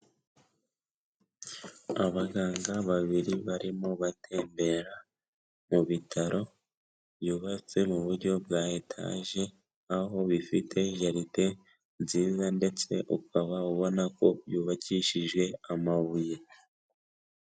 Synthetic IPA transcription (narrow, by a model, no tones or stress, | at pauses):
aβaɡaːŋɡaβaβiɾiβaɾimo̞βatʰe̞ːmbe̞ɾa | muβitʰaɾʔo̞ | βjuːβat͡se̞muβuɾɟo̞bɡaːetʰa̰ʒe̞ | aɦo̞βifitʰe̞ʒaɾite̞ | nziːzande̞t͡se̞ʔukaβauβo̞nako̞βjuːβaciʃiʒɡwe̞amaβuje̞